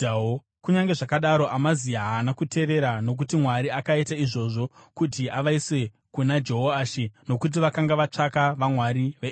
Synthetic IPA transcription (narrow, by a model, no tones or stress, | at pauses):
kuɲaŋɡe̞ʐakaɗaɾo̞ʔamaziaɦaːnakute̞ʋe̞ɾano̞k̬utimwaɾiakaitaiʐo̞ːʐo̞kutiaʋaiswe̞ | kunad͡ʒe̞ɦoaʃino̞kut̬iʋakaŋɡaʋat͡ʂakaʋamwaɾiʋe